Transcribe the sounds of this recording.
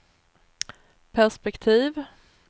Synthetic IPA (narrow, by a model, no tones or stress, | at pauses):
pʰæʂpɛkt̪ʰiːv